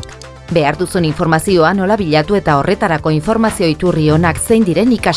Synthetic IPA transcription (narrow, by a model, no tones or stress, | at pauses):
be̞aɾd̪usuniɱfo̞ɾmasio̞ano̞laβiʎat̪ue̞t̪ao̞rʔe̞t̪aɾako̞iɱfo̞ɾmasio̞it̪urio̞nakse̞jnd̪iɾe̞nika